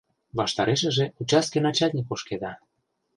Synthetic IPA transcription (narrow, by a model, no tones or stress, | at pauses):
βɑʃt̪ɑɾeʃə̆ʒeut͡ɕɑskenɑt͡ɕɑt̪ʲnʲikoʃked̪ɑ